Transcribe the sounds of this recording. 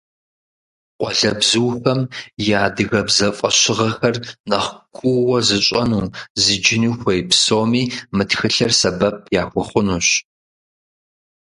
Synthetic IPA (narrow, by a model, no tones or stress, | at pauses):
qʷʼɔɮɐbzuːfɐmjaːdɨɣɐbzɐfʼɐɕɪʁɐxɐrnɐχʷkʷʰʼʊwɐzɨɕʼɐnuːzɨd͡ʒɪnixʷɐjpsoːmiːmɨtxɨɬɐrsɐbɐp̚ʰjaːxʷʊχʷʊnuːɕ